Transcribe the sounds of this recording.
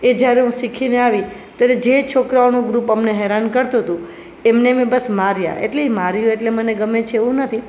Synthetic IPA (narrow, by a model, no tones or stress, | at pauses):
ed͡ʒjaɾeɦũsikʰineaʋit̪jaɾed͡ʒet͡ʃʰokɾaonũɡɾupəmneɦɛɾankəɾt̪uɦət̪ũ | emnemẽbəsmaɾja̰ʔḛʈleimaɾjoeʈleməneɡəmet͡ʃʰeeʋũnət̪ʰi